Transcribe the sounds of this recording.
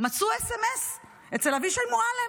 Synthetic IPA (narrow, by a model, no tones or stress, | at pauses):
mat͡suesemes | ett͡selaviʃelmuale